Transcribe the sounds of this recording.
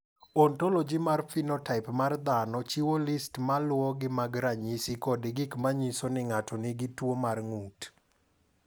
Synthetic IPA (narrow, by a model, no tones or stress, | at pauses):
ontolod͡ʒimarfinɔtaɪpmard̪anɔt͡ʃiwolɪstmalwɔɡɪmaɡɾaɲisikɔdɪɡɪkmaɲisonɪŋatʰɔnɪɡɪtwomarŋut